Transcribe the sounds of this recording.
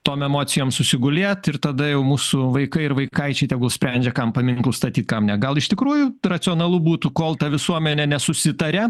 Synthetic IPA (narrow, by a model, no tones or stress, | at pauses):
t̪oːmɛmoːsʲɪjoːmsʊsʲɪɡʊlʲeːt̪ɪrt̪ɐd̪ɐjɛʊmuːsʊʋɐɪkɐɪɪɾʋɐɪkɐɪt͡ʃʲɛɪt̪ʲɛɡʊlˠsʲpʲɾʲɛnʲd͡ʒʲɛkɐmpɐmʲɪŋklˠʊst̪ɐt̪ʲiːt̪kɐmnʲɛɡɐlˠɪʃt̪ʲɪkɾuːjʊrɐt͡ssʲɪɔnɐlˠubuːt̪ukoːlˠt̪ɐʋʲɪsuɔmʲɛnʲɛnʲɛsʊsʲɪt̪ɐɾʲɛ